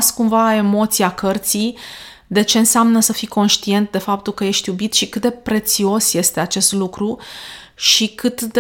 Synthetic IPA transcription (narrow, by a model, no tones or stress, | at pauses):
skumvae̞mo̞t̪siakərt̪sij | d̪e̞t͡ʃe̞ɨnseamnəsəfiko̞nʃt̪ie̞nt̪̚d̪e̞fap̚t̪ulkəje̞ʃt̪jubit̪ʃikɨt̪̚d̪e̞pɾe̞t̪sio̞sje̞st̪e̞at͡ʃe̞st̪lukɾu | ʃikʰɨt̪d̪